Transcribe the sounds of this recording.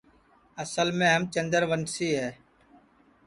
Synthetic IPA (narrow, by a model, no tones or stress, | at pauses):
əsəlmẽːɦəmt͡ʃənd̪əɾʋənsiːɦɛː